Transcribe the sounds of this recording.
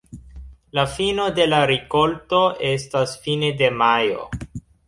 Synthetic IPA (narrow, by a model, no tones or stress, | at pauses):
lafino̞de̞laɾiko̞lto̞ʔe̞stasfinede̞majo̰